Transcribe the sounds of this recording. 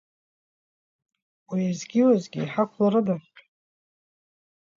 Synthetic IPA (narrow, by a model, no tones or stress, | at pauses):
wiazɡʲiwazɡʲiːħakʷʰlaɾɨdaχ